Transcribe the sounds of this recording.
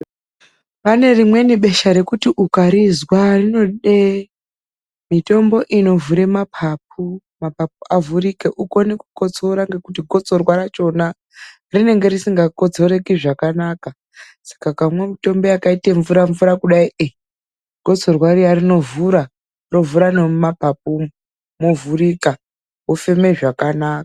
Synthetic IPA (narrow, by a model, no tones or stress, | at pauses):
pane̞rimwe̞niɓe̞ʃaɾe̞kutiʔukaɾizwarino̞ɗe | mito̞mbo̞ʔino̞vuɾe̞mapʰap̚u | mapap̚uavuɾikeʔuko̞nekuko̞t͡so̞ɾaŋɡe̞kutiɡʱo̞t͡so̞rwaɾat͡ʃo̞na | rine̞ŋɡe̞ɾisiŋɡako̞d͡zo̞ɾe̞kiʐakanaka | sḁkakamwemito̞mbo̞jakaiteɱvuɾaɱvuɾakuɗaiʔe | ɡ̥ʱo̞t͡so̞rwarijarino̞vuɾa | ro̞vuɾanemapap̚u | movurika | wofe̞me̞ʐakanaːkḁ